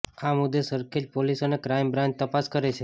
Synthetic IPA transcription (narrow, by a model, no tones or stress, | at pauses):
amud̪ʱːesəɾkʰed͡ʒpolisənekɾajmbɾãnd͡ʒ̚t̪əpaskəɾet͡ʃʰe